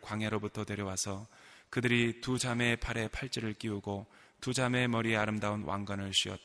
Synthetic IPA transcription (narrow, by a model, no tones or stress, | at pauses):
kwaŋɦeɾobutʰʌtwe̞ɾjʌwasʰʌkɯdɯɾitud͡ʑame̞pʰaɾe̞pʰaɭt͡ɕ͈iɾɯɭk͈iuɡo | tud͡ʑame̞mʌɾieaɾɯmdaunwʔa̰ŋɡwanɯɭɕ͈ʰiʌ̰t̚t͈